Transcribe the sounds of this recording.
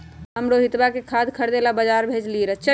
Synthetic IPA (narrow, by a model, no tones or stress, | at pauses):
ɦəmɾoɦit̪bakekʰad̪kʰəɾd̪elabəd͡ʒaɾbʱet͡ʃliɾət͡ʃʰə